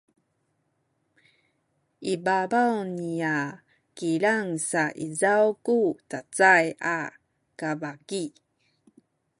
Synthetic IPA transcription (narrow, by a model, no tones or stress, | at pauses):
ibabawnia | kiɭaŋsaʔizawkutat͡saja̰ | kavaki